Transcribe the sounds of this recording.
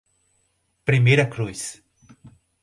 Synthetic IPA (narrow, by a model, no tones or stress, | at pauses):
pɾimejɾɐkɾujs